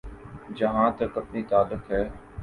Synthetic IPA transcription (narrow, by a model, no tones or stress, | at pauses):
d͡ʒəɦãːt̪ɐkəpniːt̪aːlːʊkɦɛː